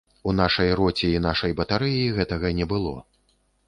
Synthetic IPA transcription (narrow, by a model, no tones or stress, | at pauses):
un̪aʂɐjrɔt͡sʲiinaʂɐjbɐt̪aɾɨjiɣɛt̪ɐɣɐnʲɛbɨlˠɔ̰